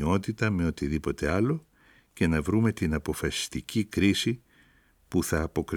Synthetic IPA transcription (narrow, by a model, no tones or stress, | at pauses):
o̞t̪it̪ɐme̞o̞t̪iðipo̞t̪e̞ɐlo̞ | ce̞nɐvɾume̞t̪inɐpo̞fɐsi̥st̪icikɾisi | puθɐːpo̞kɾ